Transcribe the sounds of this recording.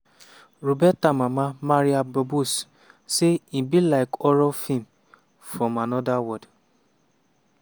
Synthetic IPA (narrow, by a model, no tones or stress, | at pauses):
ɾobɛtamãmãmaɾiabɔbus | seĩbilaɪkɔɾɔfĩm | fɾɔ̃manɔdawɔd